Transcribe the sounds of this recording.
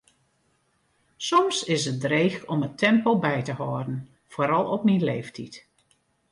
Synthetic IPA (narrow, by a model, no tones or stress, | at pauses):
sɔmsɪsət̚dreːxɔmətʰɛmpolˠbɛjtəhɔːrdən̩ | foːɾɑlˠɔp̚minleːftʰit